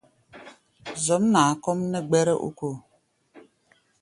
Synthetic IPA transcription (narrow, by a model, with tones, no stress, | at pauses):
zɔ˨˦mna˨kɔ˦mnə˦ɡ͡bɛ˦ɾɛ˦ʔṵ˦ko˦˨